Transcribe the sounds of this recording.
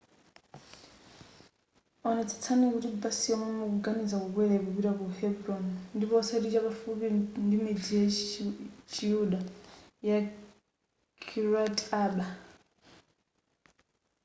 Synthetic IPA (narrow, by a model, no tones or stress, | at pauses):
ɔnɛt͡sʰḁt͡sʰanikutibasiwamɔmɔkuɡanid͡zakukwɛɾɛkupiɾakuhɛbɾɔnndipɔsaɗit͡ʃakafupindimid͡zijɛ | t͡ʃijuɗaja | kʰiɾataɓa